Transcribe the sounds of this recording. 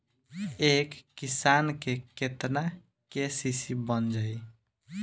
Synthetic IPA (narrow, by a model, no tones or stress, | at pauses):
ekːisankeket̪na | kesisibənd͡ʒəj